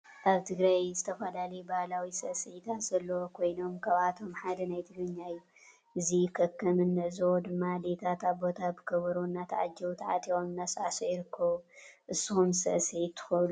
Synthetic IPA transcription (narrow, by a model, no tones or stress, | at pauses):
ʔaβt̪ʰɨɡɾajzɨt̪ʰɐfɐlalɐjubahlawisɐʔsɨʕit̪ʰat̪z̥ɐlːokʰo̞jno̞mkʰaβat̪ʰo̞mħad̪ɐnajt̪ʰɨɡɾɨɲːajːu | ʔɨzikʰɐkʰːɐmɨnːɨʔɨzwod̪ɨmːalet̪ʰat̪aβo̞t̪ʰabɨkʰɐβɐɾonːat̪ʰaʕa̰d͡ʒːɛwt̪ʰaʕa̰t̪ʼiomɨnːasʼʕsujɪɾɨkʰːɐβuʔɨsːɨxumsɐ̰ʔsʕit̪ʰːɨ̥xɨlu